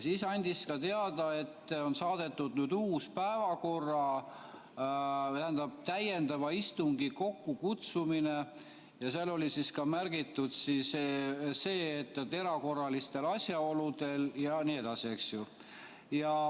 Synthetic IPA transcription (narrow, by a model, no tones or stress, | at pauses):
siːsɑnʲd̪̥iskɑt̪eɑd̪̥ɑe̞t̪ːo̞nsɑːd̪̥e̞t̪ːud̪̥nyːd̪uːspæevɑko̞rːɑ | t̪æhend̪ɑb̥̚t̪æje̞nd̪ɑvɑist̪uŋɡ̥iko̞kːukut̪sumine̞ | jɑselːo̞lisiskɑmærɡ̥it̪ːˑud̪̥sisese̞ːt̪ːˑt̪ːe̞ɾɑko̞rːɑlist̪e̞lɑsʲjɑo̞lud̪̥e̞ljɑnie̞d̪̥ɑsieksju | jɑ